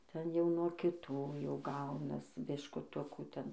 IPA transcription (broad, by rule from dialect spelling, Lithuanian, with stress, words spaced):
ˈtʲɛn jɛʊ nuɔ kʲɪˈtuː jɛʊ ˈɡɐʊnɐs bʲɪʃkʊˈtʊkuː ˈtʲɛn